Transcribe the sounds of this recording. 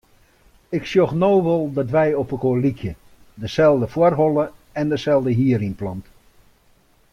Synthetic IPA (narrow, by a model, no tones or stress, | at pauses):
ɪksjoxnoːʋolˠdɔtʋɛjɔpəkolikʰjə | dəsɛlˠdəfwərɦolˠəɛndəsɛlˠdəɦiəɾinplɔnt